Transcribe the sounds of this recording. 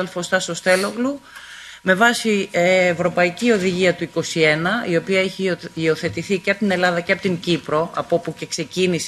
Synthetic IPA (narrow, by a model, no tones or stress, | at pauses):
elfo̞st̪ɐso̞st̪e̞lo̞ɣlume̞vɐsiːvɾo̞pɐicio̞ðiʝiɐt̪uiko̞sie̞nɐio̞piɐeçiːo̞θe̞t̪iθiceɐpt̪ine̞lɐðɐceɐpot̪iɲɟipɾo̞ɐpo̞puce̞kse̞cinis